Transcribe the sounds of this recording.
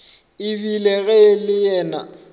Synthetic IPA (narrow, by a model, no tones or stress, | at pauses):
ɪbilɛɣɛlɪjɛːna̰